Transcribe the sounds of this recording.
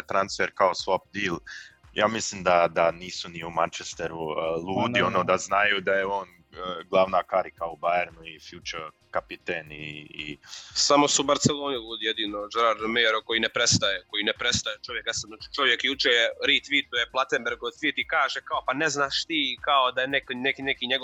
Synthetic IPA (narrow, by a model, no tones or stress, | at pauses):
t̪ɾansfeɾkaosʋop̚d̪iːlja̰ːmislˠiːmd̪ad̪aniːsuniumant͡ʃest̪eɾuluːd̪ionoːd̪aznajuːd̪ajeo̞ːn | əɡlˠaʋnakaɾikaubajeɾnuifjut͡ʃəɾ | kapit̪enḭː | samo̞subaɾt̪selˠo̞ːnilʲuːd̪ijed̪iːnod͡ʒeɾaɾomeɾoko̞jinepɾest̪ajeko̞jinepɾest̪ajet͡ʃo̞ʋjekjasab̪nat͡ʃi̥t͡ʃo̞ʋjekijuːt͡ʃejeɾit̪ʋiːt̪ojeplˠat̪embeɾɡot̪ʋiːt̪ikaːʒekaopaneznaːʃt̪iːkaod̪ajeneknekinekiɲeɡo